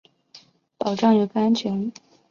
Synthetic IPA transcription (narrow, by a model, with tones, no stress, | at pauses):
pɑ˨˩ʊʈ͡ʂɑ˥˩ŋjo˨˩ɡə˧˩a˥nt͡ɕʰɥɛ˧˥n